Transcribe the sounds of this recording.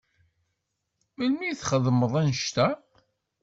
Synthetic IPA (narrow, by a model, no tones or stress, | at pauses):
mənmiθχəðməðˤænəʃt̪æ